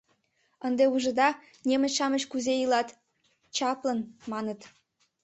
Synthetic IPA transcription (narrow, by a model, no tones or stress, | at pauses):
ənd̪euʒə̆d̪ɑ | nʲemə̆t͡ɕʃɑmət͡ɕkuzeilɑt̪ | t͡ɕɑplənmɑnət̪